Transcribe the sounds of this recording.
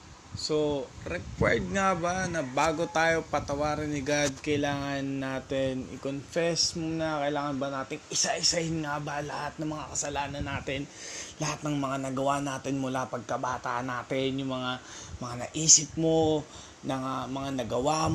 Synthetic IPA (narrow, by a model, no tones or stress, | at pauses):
soɾɛkwɛ̰ɹd̪̚ŋabanɐbaːɡo̞t̪aːjo̞pɐt̪ɐwaːɾɪnɪɡad̪̚kɐjɪlaːŋɐnːaːt̪ɪnɪ̰konfɛsmnɐkɐʔɪlaːŋɐnbɐnaːt̪ɪŋɪsaʔɪsɐɪnŋabalɐhat̪̚nɐŋmɐŋakɐsɐlaːnɐnːaːt̪ɪnlɐhat̪nɐŋmɐŋanɐɡɐwanaːt̪ɪnmʊlapɐɡ̚kɐbaːt̪aːʔnaːt̪ɪnjʊŋmɐŋamɐŋanɐ̰ʔiːsɪp̚mo | nɐŋamɐŋanɐɡɐwa